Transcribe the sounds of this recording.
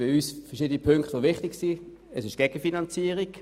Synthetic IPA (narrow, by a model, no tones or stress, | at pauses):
ɪyːsfɛɐʁʃiːd̪ənipʰøŋktovɪχtɪɡsiː | əsɪʃɡ̥ɛɡ̥əfinɑnt͡siːəʁiɡ